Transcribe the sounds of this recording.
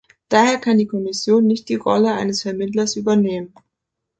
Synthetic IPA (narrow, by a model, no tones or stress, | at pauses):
d̥aːheːɐkʰandiːkʰɔmɪsjoːnːɪçt̚d̥iːʁɔ̰ləa̰ɪnəsfɛɐmɪtlɐsʔyːbɐneːmən